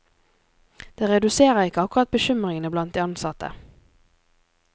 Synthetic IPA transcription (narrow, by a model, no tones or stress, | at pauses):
d̪̥eːʁɛd̪ʉseːʁəʁɪkəɑkʊʁɑt̪̚bəʃʏmʁɪŋənəblɑnt̪̚d̪iːɑnsɑt̪ʰə̰